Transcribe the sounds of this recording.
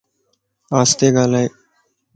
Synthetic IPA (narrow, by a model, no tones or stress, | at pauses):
aːst̪eːɡaːlaːeː